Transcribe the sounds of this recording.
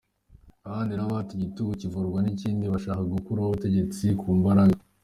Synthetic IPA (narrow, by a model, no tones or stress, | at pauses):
aβaːndinaβaːtuɟituɡucivuɾɡwaniciːndiβaʃaːkaɡukuɾaβuβute̞ɟe̞t͡sikʰuːmbaɾaɡa